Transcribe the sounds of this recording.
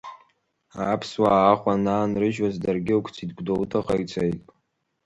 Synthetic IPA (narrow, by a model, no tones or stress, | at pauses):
aːpʰswaːχʷanaːnrɨʒwazdarɡʲɪwkʷʰt͡sʰid̚ɡʷdowtʰaχʼait͡sʰajtʼ